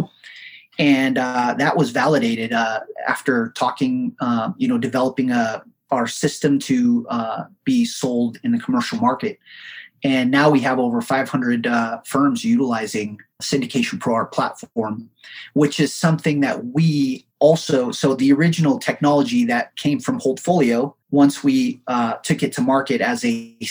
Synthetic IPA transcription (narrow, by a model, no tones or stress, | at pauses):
ɨ̃nðɨʔwʔʌzvælˠəɾeɪɾɨɾæ̰ftə˞tʰɔkɪ̃ŋjɨñoʊdɨvɛlˠəpɪ̃ŋ | aʊə˞sɪstɨ̃mtʰɨ | b̥isoʊlˠdɨ̃nðɨkʰəmɜ˞ʃl̩ˠmɑɹkɨt̚ɨ̃nːaʊwiɨvoʊvə˞faɪv̥hʌ̃ndɹɨdfɜ̃˞mzjʉɾəlaɪzɪ̃ŋsɪ̃ndɨkʰeɪʃn̩pʰɹ̥oʊpʰl̥æ̰tfɔɹmwɪt͡ʃɨz̥sʌ̃mθɪ̃ŋðɨ̰ʔ̚wi | ɔlˠsoʊsoʊðiə˞ɪd͡ʒɨn̩l̩ˠtʰɛk̚nɑlˠəd͡ʒiðɨt̚kʰẽɪ̃ɱfɹʌ̃mhoʊlˠd̥foʊlˠioʊ | wʌ̃nswitʰʊkɨtʰɨmɑɹkɨɾɨzɨ